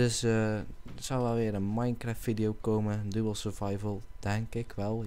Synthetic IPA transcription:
sə | əsɔlˠʋɛlˠʋɪəɾənmajnkrɛtfidijokoːmədubəlˠsəvajvəlˠd̥ɛŋkɪkʰʋɛlˠ

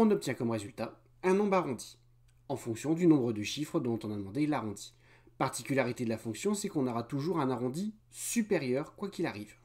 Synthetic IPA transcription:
ɔ̃nɔp̚t̪jɛ̃kɔmʁezylt̪a | ɛ̃nɔ̃baʁɔ̃d̪i | ɑ̃fɔ̃ksjɔ̃d̪ynɔ̃bʁəd̪əʃifχəd̪ɔ̃t̪ɔ̃nad̪əmɑ̃d̪elaʁɔ̃d̪i̥ | paʁt̪ikʲylaʁit̪ed̪əlafɔ̃ksjɔ̃sɛkɔ̃nɔʁat̪uʒuʁɛ̃naʁɔ̃d̪isypeʁjœʁkwakʲilaʁiv

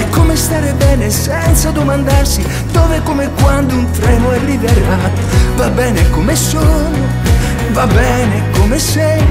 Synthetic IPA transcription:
kːomest̪aːɾebɛːnesɛnt̪sad̪omand̪arsi | d̪oːvekomekːwand̪ount̪ɾɛːnoɛrːiveɾaːt̪ovabːɛːnekomesono | vabːɛːnekomesɛj

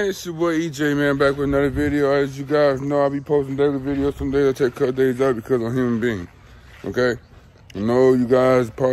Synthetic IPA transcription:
sɨwʌid͡ʒeɪmæ̃nbækwɨðnʌðə˞vɪɾioʊɪzjɨɡaɪznoʊaɪbipʰoʊstɪ̃ŋ̩dɛɡivɪɾioʊsʌ̃mdeɪzɨtʰeɪkʰːʌdeɪzʌb̥ɨkʰʌzʌjʉmnbiɪ̃ŋ | o̰ʊkeɪ | noʊjɨɡaɪzpʰɑ

